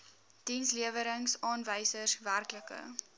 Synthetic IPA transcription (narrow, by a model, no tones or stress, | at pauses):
d̥insliəvəɾəŋsɑːnvəjsəsværkləkə̰